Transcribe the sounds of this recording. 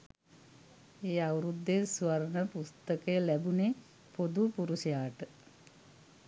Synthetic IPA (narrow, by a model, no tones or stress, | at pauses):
eːawɾud̪ːesuʋaɾnəpust̪əkəjəlæbune | pod̪upuɾusijaːʈə